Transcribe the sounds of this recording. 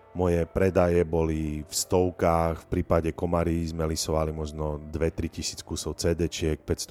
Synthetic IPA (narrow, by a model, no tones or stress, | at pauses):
mɔjɛpɾɛd̪ajɛbɔlifst̪ɔʊkaːxfpɾiːpaɟɛkɔmaɾizmɛlisɔʋalimɔʒnɔd̪ʋɛt̪ɾicisiːt͡skuːsɔʊt͡sɛːd̪ɛt͡ʃɪɛk̚pɛcst̪ɔ